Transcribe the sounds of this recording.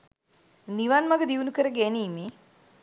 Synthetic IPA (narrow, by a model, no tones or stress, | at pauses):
niʋanmɐɡəd̪iʋunukəɾəɡeniːme